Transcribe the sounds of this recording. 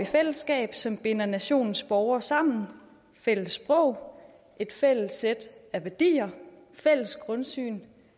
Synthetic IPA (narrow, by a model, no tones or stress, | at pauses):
ifel̰əsɡ̥ɛ̰ːb̥sɒ̽mb̥e̝nɐnæɕo̝̰ːnn̩sb̥ɒʊɐsɑ̈m̰n̩ | fel̰əsb̥ʁɔ̽ʊ̰ | ʔe̝d̥fel̰əsed̥æʋæɐd̥ḭːɐ | fel̰əsɡ̥ʁɔ̽nsy̰ːn